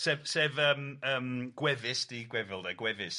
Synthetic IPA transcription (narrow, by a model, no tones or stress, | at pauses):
sɛvsɛvəːməːmɡ̥wɛvɪsd̥iːɡwɛvɪlˠdɛɡwɛvɪs